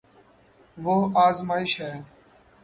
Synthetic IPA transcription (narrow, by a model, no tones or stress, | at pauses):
ʋʊɦaːzmaːɪʃɦɛː